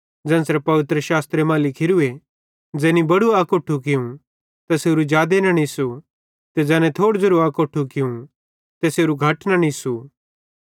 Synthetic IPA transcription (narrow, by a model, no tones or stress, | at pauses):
d͡zɛ̃ːnsɾɛpɐʋɪt̪ɾəʃaːst̪ɾemãːlɪkʰɪɾue | d͡ʒɛːnibɐɽuakoːʈʰːuk̬ɪũ | t̪ɐseːɾud͡ʒjaːd̪enɐ̃nisu | t̪ɛd͡zɛ̃ːnɛ̃t̪ʰoːɽd͡zɐɾuaːkoːʈʰukɪũ | t̪eseːɾuɡʱɐʈnɐnisu